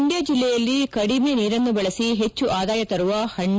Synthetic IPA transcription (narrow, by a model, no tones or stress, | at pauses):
ɳɖjɐd͡ʒilːɛjɐlːikɐɽimeniːɾɐnːubɐɭɐsiɦet͡ʃːuʔaːd̪aːjɐt̪ɐɾuʋɐhɐɳ